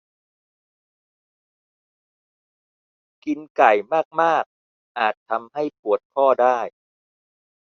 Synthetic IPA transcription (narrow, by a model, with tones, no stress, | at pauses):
ki˧nka˨˩jmaː˥˩k̚maː˥˩k̚ | ʔaː˨˩t̪ʰːa˧mha˥˩jpu˨˩ət̪̚kʰɔː˥˩daː˥˩j